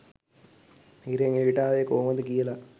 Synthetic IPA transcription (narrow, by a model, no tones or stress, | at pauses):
iɾeŋiːʈaːʋeːkoːmɐd̪ɯkiːɐla